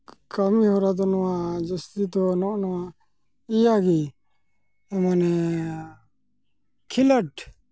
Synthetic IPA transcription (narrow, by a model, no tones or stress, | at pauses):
kamiɦoɾaːt̪̬onoãːd͡ʒəst̪iːt̪ononoãː | ɪjaːɡi | manɛ | kʰɪləʈ